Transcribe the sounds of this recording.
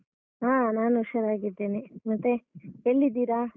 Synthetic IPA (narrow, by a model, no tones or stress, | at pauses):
ɦaːnaːnuʃɐɾaːɡid̪ːeːnimɐt̪ːeɦeɭːid̪iːɾa